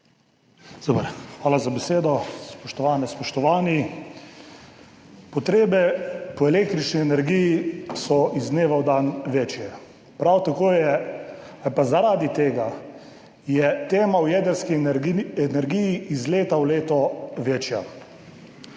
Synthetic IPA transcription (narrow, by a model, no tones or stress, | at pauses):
d̪oːpəɾxʋaːlazabɛseːd̪ɔspɔʃt̪ɔʋaːnɛspɔʃt̪ɔʋaːni | pɔt̪ɾeːbɛpɔɛleːk̚t̪ɾit͡ʃniɛnɛɾɡijisɔʔizneːʋawd̪anʋeːt͡ʃjɛ | pɾawt̪akoːjɛ | apazaɾaːd̪it̪eːɡa | jɛt̪eːmawjɛd̪əɾskiɾɛnɛɾɡijiizleːt̪awleːt̪ɔʋeːt͡ʃja